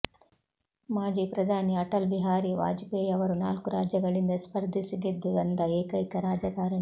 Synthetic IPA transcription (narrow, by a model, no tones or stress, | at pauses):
maːd͡ʒipɾɐd̪ʱaːniɐʈɐlbiɦaːɾiʋa̰ːd͡ʒpeːjɐʋɐɾuna̰ːlkuɾaːd͡ʒjɐɡɐɭind̪ɐspɐɾd̪ʱisid̪id̪ːud̪ɐnd̪ɐeːkɐjkɐɾaːd͡ʒɐɡaːɾɐɳi